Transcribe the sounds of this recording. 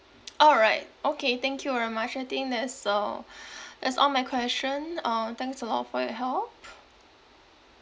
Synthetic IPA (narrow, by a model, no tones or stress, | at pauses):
ʔɔlɹaɪt̚ʔokʰet̪ɛ̃ŋkʰjuvɛɹimat͡ʃaɪt̪ɪ̃ŋk̚d̪ɛtsʌ | d̪ɛtsɔ̰nmaɪkʰw̥ɛst͡ʃə̃nʌ̃t̪ɛ̃ŋksəlɔ̰tfɔjɔɦɛlp̚